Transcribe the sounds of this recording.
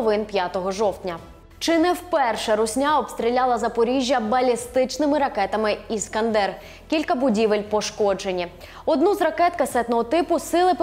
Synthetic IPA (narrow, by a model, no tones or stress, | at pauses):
ʋɪnpʲjat̪ɔɦɔʒɔwt̪ʲnʲɐ | t͡ʃɪnɛwpɛrʃɛɾʊsʲnʲaɔpst̪ɾʲilʲalˠɐzɐpɔɾʲiʒʲjɐbɐlʲist̪ɪt͡ʃnɪmɪɾɐkɛt̪ɐmɪiskɐnd̪ɛr | kʲilʲkɐbʊdʲiʋɪlʲpɔʃkɔd͡ʒe̞nʲi | ɔd̪nuzrɐkɛt̪kɐsɛt̪nɔɦɔt̪ɪpʊsɪlˠɪp